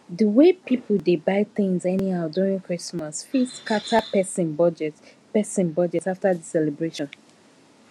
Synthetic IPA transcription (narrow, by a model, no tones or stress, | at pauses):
dəwepʰip̩debaɪθɪ̃ŋzɛnihaʊduɹĩŋkɹismasfiskatʰapɛsĩnbɔd͡ʒɛt | pɛsĩnbɔd͡ʒɛtaftadisɛlɛbɹeʃɔ̃n